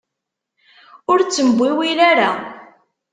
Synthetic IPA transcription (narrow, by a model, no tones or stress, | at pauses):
ʊɾt͡sːəmbʷːiwilaɾa